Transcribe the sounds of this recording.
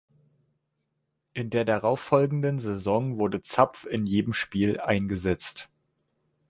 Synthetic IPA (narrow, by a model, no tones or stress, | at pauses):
ʔɪndeːɐdaʁaʊfɔlɡŋ̩dənzezɔŋvʊɐdət͡sap͡fɪnjeːdəmʃpiːlʔaɪnɡəzɛt͡st